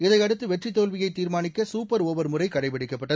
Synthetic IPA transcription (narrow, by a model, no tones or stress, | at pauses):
ɪðɐɪɐɽɯt̪ːɯʋɛʈrit̪ːoːlʋɪjɐɪt̪ːiːɾmaːnɪkːɐsuːpːɐɾɔːʋɐɾmʊrɐɪkɐɽɐɪpɐɽɪkːɐpːɐʈːɐ